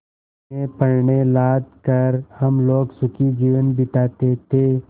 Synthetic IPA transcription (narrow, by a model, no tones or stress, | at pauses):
epəɾɳelaːd̪kəɾhɐmloːɡsʊkʰid͡ʒiːʋənbɪʈ̪aːt̪et̪ʰe